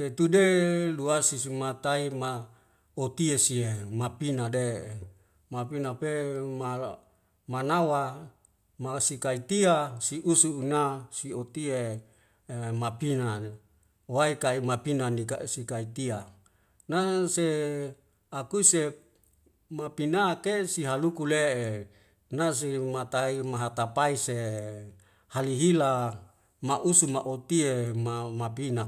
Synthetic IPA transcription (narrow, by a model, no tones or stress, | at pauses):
set̪udeluasisimat̪aima | ot̪iesiemapinade | mapinapema | manawa | masikait̪iasiʔusuːnasiot̪ie | mapina | waikaimapinanika̰sikait̪ia | nase | akuise | mapinakesiɦalukuleʔe | nas̬imat̪aimaɦat̪apaise | haliɦila | maʔusumaʔot̪iemamapina